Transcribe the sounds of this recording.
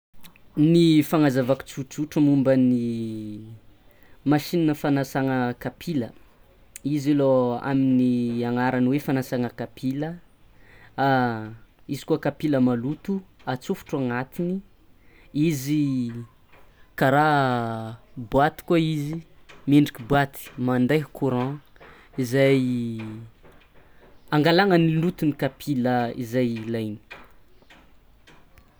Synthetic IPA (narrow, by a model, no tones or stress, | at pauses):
nifaŋazavaku̥t͡sut͡suʈ͡ʂəmumbəni | maʃininəfanasaŋəkapʰilə | izeloa̰miniaŋaɾanwefanasaŋəkapʰilə | a | izi̥kuakapiləmalut̪uat͡sufu̥ʈ͡ʂaŋat̪ini | izi | kaɾa | buat̪i̥kaizimeɳɖ͡ʐikibwat̪i̥mand̪ajkuɾɑ̃ | izaj | aŋɡalaŋənilut̪unikapʰiləḭzajlajni̥